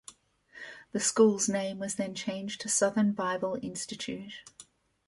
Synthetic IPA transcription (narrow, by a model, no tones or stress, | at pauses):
ðəskuːlˠznẽɪ̃mwʌzðə̃nt͡ʃʰẽɪ̃nd͡ʒtʰəsʌðənbaɪbəlˠɪ̃nstɨt͡ʃʰʉˑt